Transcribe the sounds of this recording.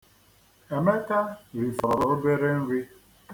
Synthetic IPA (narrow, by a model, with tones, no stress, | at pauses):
e˨me˦ta˦ɾi˨fɔ˨ɾo˨o˦be˦ɾe˦n̩˦ɾi˦